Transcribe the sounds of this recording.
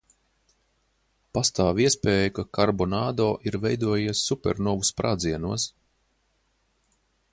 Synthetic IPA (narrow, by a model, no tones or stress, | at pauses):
past̪aːviɛspeːjukakaɾbɔnaːd̪ɔːʔiɾvɛjd̪uɔjiɛsːupʲɛɾnɔvuspɾʔaːd̪ziɛnuɔs